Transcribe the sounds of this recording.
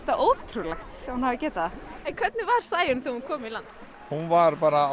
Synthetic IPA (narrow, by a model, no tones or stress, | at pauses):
t̪aʔoːwt̪ʰɾulaxt̪ɛhanhavɪ̥cɛːt̪aðaɛnkʰv̥ɛt̪nɪvaɾ̥saːjʏnθehunkʰɔːmilant̪ | hunvaɾpaːɾa